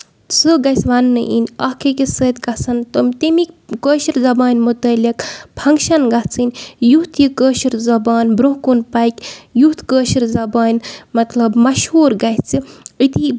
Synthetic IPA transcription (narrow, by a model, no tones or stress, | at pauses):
sɨɡɐsʋɐnːɨʔḭnʲɐhkekisəːt̪ɡɐsɐnt̪omt̪emikʲkəːʃiɾzɐbaːnʲmut̪ɐlikpʰɐŋɡʃɐnɡɐt͡sʰɨnʲjuht̪ʰjikəːʃiɾzɐbaːnbɾoɦkunpɐjkʲjuht̪kəːʃiɾzɐbaːnʲmɐt̪lɐbmɐʃhuːɾɡɐt͡siit̪i